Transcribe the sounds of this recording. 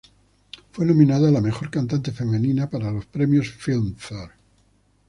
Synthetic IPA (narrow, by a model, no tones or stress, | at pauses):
fwenõmĩnaðalame̞xo̞ɾkant̪ant̪e̞fe̞me̞nĩnapaɾalo̞spɾe̞mjo̞sfilmθoɾ